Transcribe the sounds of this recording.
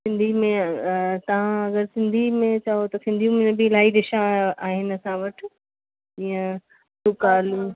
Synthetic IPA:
sɪ̃nd̪ʱimẽt̪ɐʋ̤ãɐɡəɾsɪ̃nd̪ʱimẽt͡ɕaːot̪ɐsɪ̃nd̪ʱijũmʊ̃nə̃bɪɪlaːiɖɪʃãaːɦɪnɐsãʋɐʈʰ | ijə̃ | sʊkaːlũ

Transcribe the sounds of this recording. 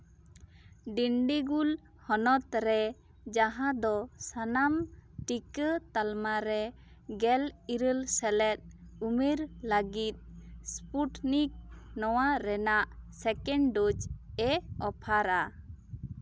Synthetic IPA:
ɖiɳɖiɡul | hɔnɔt̪̚ɾɛ | d͡ʒaɦãd̪ɔsanamʈikət̪almaɾɛ | ɡɛliɾəlsɛlɛt̪̚umiɾləɡit̪̚spuʈnik̚nɔwaɾɛnaʔsɛkɛɳɖot͡ʃɛɔpʰaɾa

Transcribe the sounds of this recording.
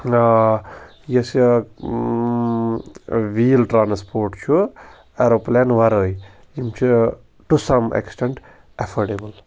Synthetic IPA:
jes | ʋiːlʈɾaːnspoːɾʈt͡ʃʰu | eɾoplɛnʋaɾəːj | imt͡ʃʰu | ʈusɐmḛksʈeɳʈ | ɐfʰoɖebəl

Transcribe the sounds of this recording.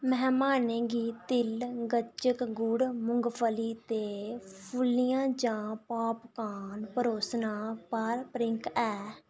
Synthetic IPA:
məɦmaːneːɡiːt̪ɪlɡət͡ʃəkɡʊɽmʊŋɡpʰəliːt̪eːpʰʊlijãːd͡ʒãːpaːpkaːnpəɾoːsnaːpəɾpɾɪ̃ŋkɛː

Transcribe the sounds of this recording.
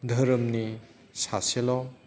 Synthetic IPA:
d̪ʱɐɾəmni | saselɔ

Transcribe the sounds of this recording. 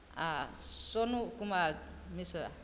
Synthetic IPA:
asɔnukuma | misa̰

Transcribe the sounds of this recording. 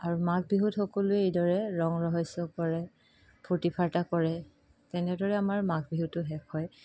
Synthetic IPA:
aɹumak̚biɦutxɔkɔlʊɛejdɔɹɛɹɔŋɹɔɦɔjsɔkɔɹɛ | potipʰaɹtakɔɹɛ | tɛnɛdɔɹɛamaɹmaɡ̚biɦutːʊɦɛkʰɔj

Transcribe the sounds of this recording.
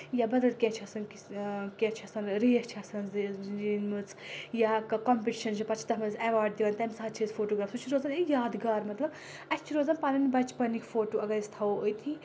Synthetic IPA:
jabɐd̪ɐlkʲɛ̃t͡ʃʰɐsɐnkikʲɛ̃ːt͡ʃʰɐsɐnɾijɐt͡ʃʰɐsɐnzinmɨt͡sjakɐkɔmpiʈiʃɐnt͡ʃipɐt͡ʃʰi̥t̪ɐmɐzɛʋaːɾɖ̚d̪iʋɐnt̪ɐmsaɦɐt͡ʃʰizfʰoːʈoːɡɾaːfsut͡ʃʰiɾoːzɐnijaːd̪ɡaːɾmɐt̪lɐb | ɐt͡ʃʰiɾoːzɐnpaːlɐnibɐt͡ʃpɐnikfoːʈoːɐɡɐist̪ʰɐoojt̪ʰi

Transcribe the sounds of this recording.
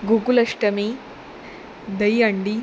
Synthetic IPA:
ɡuɡulɐʂʈɐmi | d̪ɐjɐɳɖi

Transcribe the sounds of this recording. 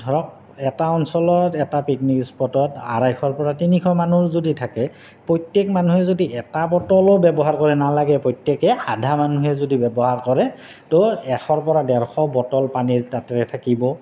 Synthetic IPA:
dʱɔɹɔk̚ | ɛtaɔnsɔlɔtɛtapiknikspɔtɔta̰ɹajxʰɔɹpɔɹatinikʰɔjmanuɹzoditʰakɛ | pɹɔjtekmanuɦɛzodiʔɛtabɔtɔlɔbɛbɔɦaɹkɔɹɛnalaɡɛpɹɔjtːjekɛadʱamanuɦɛzodibɛbɔɦaɹkɔɹɛ | tɔɛxɔɹpɔɹadɛɹxʰɔbɔtɔlpaniɹtatɛɹɛtʰakibɔ

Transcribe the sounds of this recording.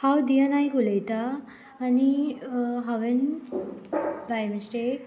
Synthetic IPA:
hawd̪ijanajkulejt̪aː | ni | ɦaʋen | ɡajmisʈek̚

